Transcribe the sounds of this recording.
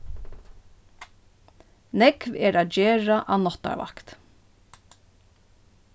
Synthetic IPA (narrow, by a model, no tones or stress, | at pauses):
nɛkʋɛɹaːd͡ʒeːɹaʔanɔt̪a̰ɹʋa̰kt̪